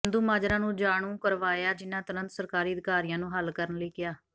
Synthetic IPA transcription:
nd̪uːmaːd͡ʒɾãːnũːd͡ʒaːɳ̃ũːkəɾʋaːjaːd͡ʒɪnːãːt̪ʊnə̃nt̪səɾkaːɾiːəd̪ɪkaːɾijãːnũːɦəlkəɾənləiːɡɪjaː

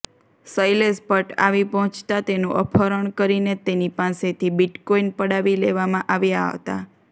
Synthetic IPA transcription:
səjlespəʈa̰ʋipɔɦɔ̃t͡ʃt̪at̪enũʔəpʰəɾəɳkəɾinet̪enipaset̪ʰibiʈkoinpəɽaʋileʋamãʔaʋjaɦə̰t̪a̰

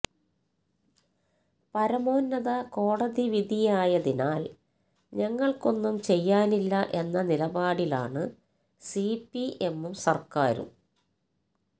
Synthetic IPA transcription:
pɐɾɐmo̞ːnːɐðɐko̞ːɽɐðiʋid̪ʱijaːjɐðinaːl | ɲɐŋːɐɭko̞nːumt͡ɕe̞jːaːnilːɐʔe̞nːɐnilɐbaːɽila̰ːɳɨ | sipːiʔe̞mːumsɐrkaːɾṵm

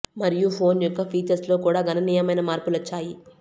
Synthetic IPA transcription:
mɐɾijupʰo̞ːnjɔkːɐpʰiːt͡ʃɐɾslo̞ːkuːɽaːɡʱɐnɐniːjɐmɐjnɐmaːɾpulɐt͡ʃːaːji

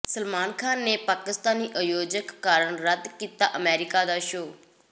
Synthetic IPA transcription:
səlmaːnkʰaːnːeːpaːkɪst̪aːniːʔəjoːd͡ʒəkːaːɾəɳɾəd̪kiːt̪aːʔəmɛːɾɪkaːd̪aːʃoː

